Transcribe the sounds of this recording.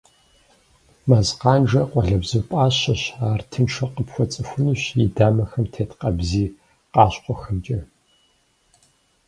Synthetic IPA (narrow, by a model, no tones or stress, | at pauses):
maːzqɑːnʐɐqʷʼɔɮɐbzɨwpʼaːɕɐɕaːrtʰɨnʂʰɐqəpxʷɔt͡sʼɨxʷʊniːɕjidaːmɐxɐmtʰeːtqɐbziː | qɑːɕqʷɔxɨmt͡ʃʼɐ